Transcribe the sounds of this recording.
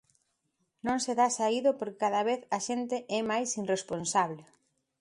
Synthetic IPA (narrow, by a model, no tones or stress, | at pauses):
nõŋseðasaiðʊpoɾkkaðɐβeθɐʃent̪eʔɛmajsinresponsaβle